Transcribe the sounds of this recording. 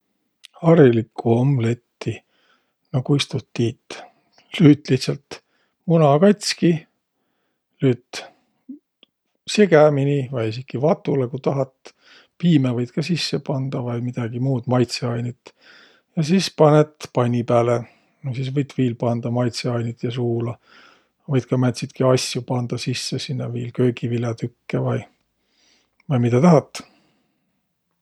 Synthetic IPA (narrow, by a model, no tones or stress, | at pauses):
ɑɾilikːuomle̞t̪ːi | nokujst̪ut̪ːiːt̪ː | lyːt̪ˑliht̪sɑlt̪ | munɑkɑjt̪ʲski | lyːt̪ | se̞ɡæminivɑjisikːivɑt̪ːˑulekut̪ɑɦɑt̪ | piːmevɤjd̪̥̚kɑsisːepɑnd̪̥ɑvɑjmid̪̥ɑɡ̥imuːd̪̥mɑjt̪seɑjnit̪ | jɑsispɑnet̪pɑjnʲipæːle | nosisvɤjt̪ːviːlpɑnd̪̥ɑmɑjt̪seɑjnit̪jɑsuːlɑ | vɤjd̪̥kɑmæt̪ʲsit̪kiɑsjupɑnd̪̥ɑsisːesinːɑviːlkø̞ːɡivilɑt̪ykːevɑj | vɑjmit̪ɑt̪ɑɦɑt̪ːˑ